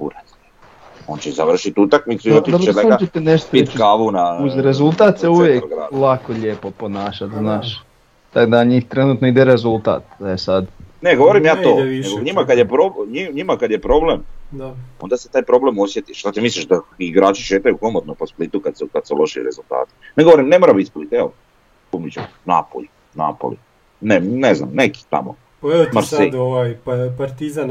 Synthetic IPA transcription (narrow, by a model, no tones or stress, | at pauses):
pṵɾat̪ | o̞ːnt͡ɕezaʋr̩ʃit̪ut̪akmit̪suiot̪iobt͡ʃeleat͡ʃet̪eneʃt̪opikaʋunauzɾezulˠt̪at̪seuʋjekoɡɾa̰lakoʎeːpopo̞naːʃat̪znaːʃ | t̪aɡd̪aɲiːxt̪ɾenuːt̪noid̪eɾezulˠt̪a̰ːt̪̚esad̪neɡo̞ʋoɾimjaːt̪oːneɡoɲimakad̪jepɾobɲiɲimakad̪jepɾo̞blemd̪ao̞nd̪aset̪aːjpɾo̞blemosje̞t̪iʃt̪at̪imisliʃd̪aiɡɾaːt͡ʃiʃeːt̪ajukomot̪noposplit̪ukad̪sukad̪selo̞ʃḭɾe̞̰zulˠt̪a̰ːt̪i̥neɡooɾimne̞moɾabit̪split̪eo̰ | umit͡ɕḛna̰po̰ʎu | na̰po̰lṵ | nenezna̰mneki̥t̪a̰mo̰ | paeomaɾseoʋajpapaɾt̪izan